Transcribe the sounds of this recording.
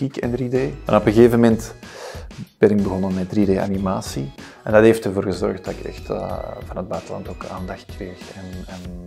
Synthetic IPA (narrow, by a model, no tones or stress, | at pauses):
ikɛ̰ndrideːma̰nɔpɣəɣeːvəmɛnt | b̥ɛnɪɡ̚bəɣɔnənmɛt̚drideːʔa̰nimaːsi | ʔɛndɑteftərvoːrɣəzɔ̰rxtdɑtɪkɛ̰xtə̰vɑnəd̚bœɥtəlɑ̰ntoːka̰ːndɑxt̚kreːxɛnɛn